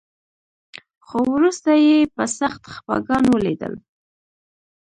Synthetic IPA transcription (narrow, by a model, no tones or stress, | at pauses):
xowɾust̪ajepəsaxt̪xpɑ̰ɡɑnwəled̪ə̰l